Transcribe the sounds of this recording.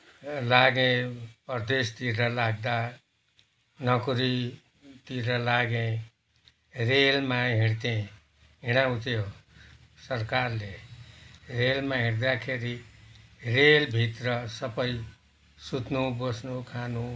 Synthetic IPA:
laɡẽpʌrd̪est̪iɾʌlaɡ̚d̪a | nʌkuɾi | t̪iɾʌlaɡẽ | relmãɦiɽt̪ẽ | ɦiɽ̃awut̪jo | sʌɾkarle | relmaɦiɽd̪akʰeɾi | relbʱit̪rʌsʌbʌj | sut̪nubosnukʰanu

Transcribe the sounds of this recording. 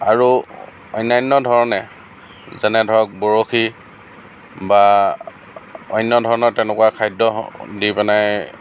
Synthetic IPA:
aɹu | ɔ̰jnajnːɔdʱɔɹɔnɛ | zɛnɛdʱɔɹɔk̚boɹoxi | ba | ɔjnːɔdʱɔɹɔnɔɹtɛnɛkuwakʰajdɔdipɛnaj

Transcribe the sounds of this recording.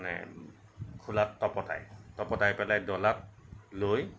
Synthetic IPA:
nɛ̰ | kʰulatːɔpɔta̰jtɔpɔtajpɛlajdɔlat̚loj

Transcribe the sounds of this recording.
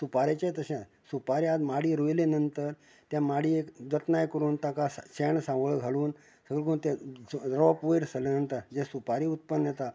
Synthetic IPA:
supaɾet͡ɕat̪əɕã | supaɾiad̪maɽiːɾojlenənt̪əɾ | t̪jamaɽiekd͡z̪ət̪najkəɾuːnt̪akasɕɛɳsãŋɡɭɡʱaɭuːn | səɡəlkəunt̪ẽɾɔpʋejɾsələnənt̪ad͡ʑesupaɾiːut̪̚pənjət̪a

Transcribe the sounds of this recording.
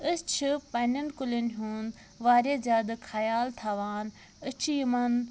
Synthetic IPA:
əst͡ʃʰipɐːnɐnkʊlinɦuːn | ʋaːɾezaːd̪kʰɐjaːlt̪ʰaːʋaːn | ət͡ʃʰijimɐn

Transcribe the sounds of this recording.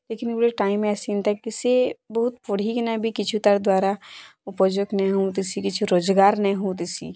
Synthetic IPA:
leːkɪnɾeʈaːɪmẽɛːsent̪akiɪsebəɦʊt̪̚pʊɽ̤ikinabʱikɪt͡ʃʰut̪əɾd̪waːɾa | ʊpəd͡ʒoknɐɦũt̪isikɪt͡ʃʰuɾoːzɡaːɾnɐɦũt̪̬isḭ

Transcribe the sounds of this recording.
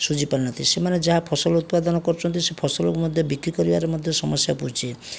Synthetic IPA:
sud͡ʒipaɾinɔt̪ʰisemaned͡ʒaɦapʰɔsɔlut̪pad̪ɔnɔkɔɾt͡ʃʰɔnt̪isepʰɔsɔlɔkmɔd̪ʱjɔbikɾikɔɾibaɾemɔd̪ʱjɔsɔmɔsjapɔut͡ʃʰi

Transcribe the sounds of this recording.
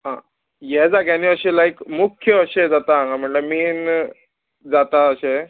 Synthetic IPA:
ɦã̰ | jɛd͡zaɡjaniəɕelaikmukʰjəəɕed͡zat̪aãŋɡam̤əɳləmiːn | d͡zat̪aəɕe

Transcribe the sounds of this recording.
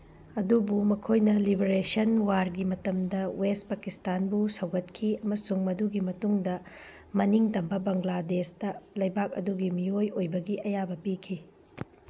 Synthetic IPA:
ɐdubumɐkʰojnɐlibeɾesɐnwaɾɡimɐtɐmdɐwest̚pɐkistanbusɐwɡɐtkʰiɐmɐsuŋmɐduɡimɐtuŋdɐ | mɐniŋtɐmbɐbɐŋladesdɐlɐjbak̚ɐ̰duɡimiojojbɐɡiʔɐjabɐpikʰi

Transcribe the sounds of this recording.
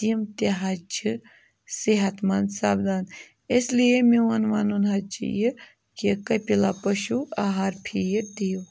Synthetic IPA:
imt̪eɦat͡ʃʰi | seɦɐt̪mansaːbd̪aːn | eslijemeʋɐnʋɐnunɦɐt͡ʃʰḭjɨ | kekɐpilapɐʃuaɦaɾpʰijd̪eːw

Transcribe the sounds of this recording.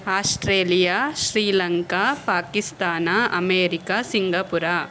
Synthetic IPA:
aːsʈɾeːlijaːʃɾiːlɐŋkaːpaːkist̪aːnaɐmeːɾikasiŋɡɐpuɾa

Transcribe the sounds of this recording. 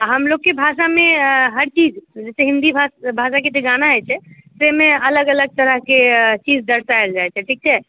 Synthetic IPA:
ɦəmlokːebʱasameɦəɾt͡ʃid͡ʒd͡ʒesɛɦind̪ibʱabʱaʃ̬aket̪eɡanaɦɛt͡ʃʰɛ | semeələɡələɡ̚t̪əɾəɦket͡ʃid͡ʒd̪əɾt̪aeld͡ʒajt͡ʃʰɛʈʰik̚t͡ʃʰɛ

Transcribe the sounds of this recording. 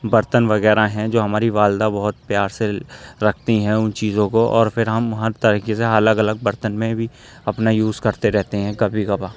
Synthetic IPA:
bɐɾt̪ənʋɐɣɛːɾaɦɛ̃d͡ʒoːɦɐmaːɾiʋaːld̪abɐɦʊt̪̚pjaːɾseɾɐkʰt̪iɦɛ̃ʊnt͡ʃiːzõkoʔɔːɾpʰɪɾɦɐmɦɐɾt̪ɐɾiːkeseɐləɡɐləɡ̚bɐɾt̪ənmẽbʱi | ɐpnajuːzkɐɾt̪eɾɛɦt̪eɦɛ̃kɐbʱiɡɐbaː

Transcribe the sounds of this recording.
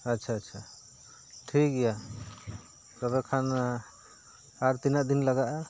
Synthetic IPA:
ətːʃʰaːtːʃʰa | ʈʰik̚ɡɛja | tɔbɛkʰan | aɾt̪inaʔd̪inlaɡaʔa

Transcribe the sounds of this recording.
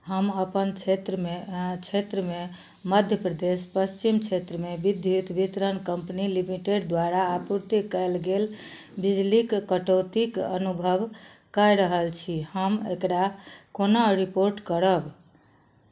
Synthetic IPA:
həməpənt͡ʃʰet̪ɾəmet͡ʃʰet̪ɾəme | məd̪ʱjəpɾəd̪espəst͡ʃimt͡ʃʰet̪ɾəmebid̪ʱjut̪bit̪ɾənkəmpnilimiʈeɖd̪waɾaːpuɾt̪ikəlɡel | bid͡ʒlikkəʈot̪ikə̰nubʱəb | kəjɾəɦəlt͡ʃʰihəmḛkɾakonaɾipoɾʈkəɾəb

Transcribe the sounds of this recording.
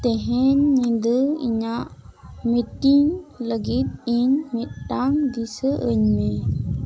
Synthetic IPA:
t̪eɦɛɲĩnd̪əḭɲaʔmiʈiŋləɡit̪̚iɲmit̪̚ʈaŋd̪isəʔəɲmẽ

